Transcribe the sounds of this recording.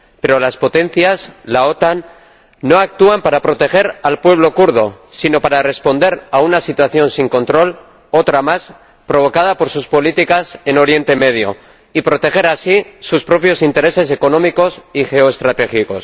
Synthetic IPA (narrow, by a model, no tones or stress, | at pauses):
pe̞ɾo̞laspo̞t̪e̞n̟θjaslao̞t̪anː | o̞ak̚t̪uampaɾapɾo̞t̪e̞xe̞ɾalpwe̞β̞lo̞kuɾð̞o̞sino̞paɾare̞spo̞nd̪e̞ɾaunasit̪waθjo̞nsiŋko̞nt̪ɾo̞l | o̞t̪ɾamas | pɾo̞β̞o̞kað̞apo̞ɾsuspo̞lit̪ikase̞no̞ɾje̞nt̪e̞me̞ð̞jo̰ | ipɾo̞t̪e̞xe̞ɾasisuspɾo̞pjo̞sint̪e̞ɾe̞se̞se̞ko̞nõmiko̞sixe̞oest̪ɾat̪e̞xiko̞s